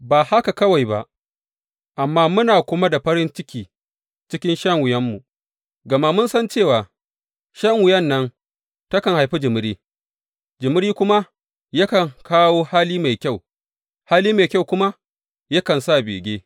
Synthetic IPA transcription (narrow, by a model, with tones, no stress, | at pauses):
baː˨ha˦ka˨kɐ˦wa˨jba̰˨ʔ | ʔa˨mːaː˦mʊ˦naː˨kʷʊ˦ma˦da˨ɸɐ˦ɾɪ˦nt͡ʃɪ˦kʲiː˨ | t͡ʃɪ˦kʲɪ˦nʃɐ˦ŋwʊ˨jɐ˦mːu˨ | ɡɐ˨ma˦mʊ˦nsɐ˦nt͡ʃeː˦˨waː˨ | ʃɐ˦ŋwʊ˨jɐ˦nːɐ˦n | tɐ˦kɐ˨ŋha˨jɸi˦d͡ʒɪ˨mʊ˦ɽiː˦ | d͡ʒɪ˨mʊ˦ɾiː˦kʷʊ˦ma˦ | jɐ˦kɐ˨ŋkaː˦woː˦haː˦liː˦ma˨jkʲa˦˨w | haː˦liː˦ma˨kʲa˦˨wkʷʊ˦ma˦ | jɐ˦kɐ˨nsa˦˨bḛː˨ɡʲeː˦